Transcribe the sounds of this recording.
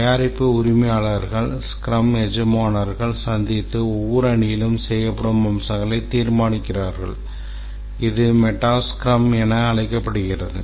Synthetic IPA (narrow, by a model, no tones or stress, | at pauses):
ɐjaːɾɪpːɯʊɾɪmɐjaːɭɐɾɣɐɭskɾɐmɛd͡ʒɯmaːnɐɾɣɐɭsɐnd̪ɪt̪ːɯɔʋːɔɾɯɐɳɪjɪlɯmsɛjːɐpːɐɽɯmɐmsɐŋɡɐɭɐɪt̪ːiːɾmaːnɪkːɪraːɾɣɐ̰ɭ | ɪðɯmɛʈːaːskɪɾɐmɛnɐːɭɐɪkːɐpːɐɽɯɣɪrɐðɯ̰